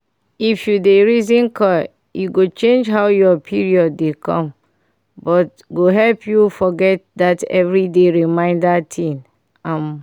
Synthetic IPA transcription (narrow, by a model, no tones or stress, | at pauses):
ifjudeɹizĩnkʰɔ | juɡot͡ʃẽnd͡ʒɦawjɔpʰiɹiɔdːekʰɔ̰̃m | bɔt̚ | ɡoɦɛlpʰjufɔɡɛt̚datɛ̰vɹideɹimãɪ̃ndatʰĩn | ãm